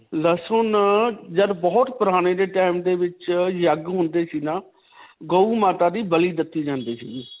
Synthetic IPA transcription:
ləsʊnd͡ʒəɾbɔːt̪pəɾaːɽ̃eːd̪eːʈaːɪmd̪eːʋɪt͡ʃjəɡɦʊ̃nd̪eːsiːnaː | ɡəuːmaːt̪aːd̪iːbəliːd̪ɪt̪ːiːd͡ʒãːnd̪iːsiː

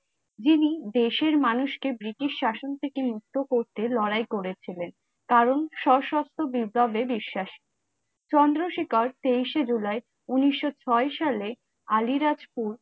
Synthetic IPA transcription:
d͡ʑinid̪eʃeɾmanuʃkebɾiʈiʃʃaʃont̪ʰekemuk̚t̪okoɾt̪elɔɾajkoɾet͡ɕʰilen | kaɾonʃɔʃɔst̪ʰobibʱːabebiʃːaʃ | t͡ɕɔnd̪ɾoʃikaɾt̪eiʃed͡ʑulae | uniʃːot͡ɕʰɔeʃale | aliɾad͡ʑpuɾ

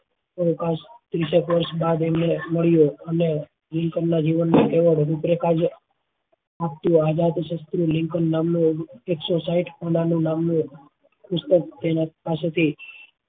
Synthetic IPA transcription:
əkast̪ɾiʃəkʋəɾʃbad̪emneməɭjoəne | lɪŋkənːad͡ʒiʋənːakeʋəɭɾupɾekad͡ʒ | ap̚t̪ũad͡ʒat̪ʃəst̪ɾulɪŋkənːamnueksosaiʈʰpənanũnamnũ | kʊst̪ək̚t̪enapaset̪ʰi

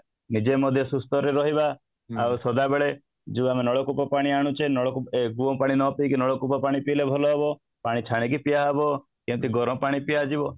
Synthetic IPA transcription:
nid͡ʒemɔd̪ʱjɔsust̪ɔɾeɾɔɦiba | awsɔd̪abeɭe | d͡ʒiamenɔɭɔkupɔpaɽ̃iaɽ̃ut͡ʃʰenɔɭɔkupeɡuɔpaɽ̃inɔpikinɔɭɔkupɔpaɽ̃ipilebʱɔlɔɦebɔ | paɽ̃it͡ʃʰaɽ̃ik̬ipijaɦebɔ | kɛ̃t̪iɡɔɾɔ̃paɽ̃ipijad͡ʒibɔ

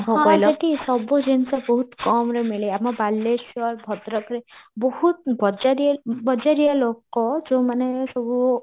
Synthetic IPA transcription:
bʱɔɦɔ̃lɔt̪isɔbud͡ʒensɔbɔɦut̪kɔmɾemeɭeamɔbalːesjɔɾbʱɔd̪ɾɔkɾebɔhut̪bɔd͡ʒaɾibɔd͡ʒaɾijalokɔd͡ʒõmanesɔbu

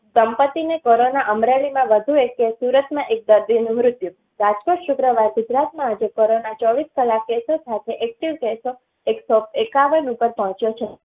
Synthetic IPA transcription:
səmpət̪ːinekoɾonaʔəmɾeɭimãʋəd̪ʱuekːesuɾət̪mãʔek̚d̪əɾd̪inũmɾʊt̪ju | ɾad͡ʒkoʈʃʊkɾəʋaɾɡʊd͡ʒɾat̪mãːd͡ʒekoɾonat͡ʃɔʋiskəlakːesosat̪ʰeʔɛk̚ʈiʋkeso | eksopekaʋənupəɾpɔɦɔ̃t͡ʃjot͡ʃʰe

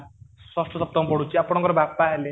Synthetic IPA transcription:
sɔsʈɔsɔp̚t̪ɔmɔpɔɽut͡ʃʰiapɽ̃ɔŋkɔɾɔbapaɦele

